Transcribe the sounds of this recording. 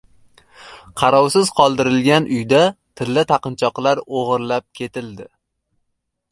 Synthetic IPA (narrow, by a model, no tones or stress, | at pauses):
qʰɑɾɒwsɪz̥qʰɒlˠd̪ɪɾɪlɡʲanʔʊjd̪at̪ʰɪlːɪt̪ʰɑqɨnt͡ʃʰɒqlˠaɾoʁɨɾlap̚kʲʰe̞t̪ɪld̪ɪ